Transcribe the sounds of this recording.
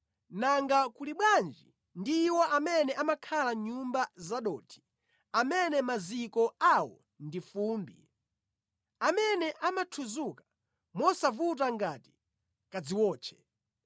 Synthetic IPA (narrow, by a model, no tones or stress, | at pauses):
naŋɡakuliɓwand͡ʒi | ndiːwɔʔamɛnɛʔamakʰalaɲumbazaɗɔːtʰi̥ | amɛnɛmazikɔawɔ̰ | ndifuːmbi | amɛnɛʔamatʰuzukḁ | mɔsavut̬aŋɡati̥ | kad͡ziwɔːt͡ʃʰɛ̥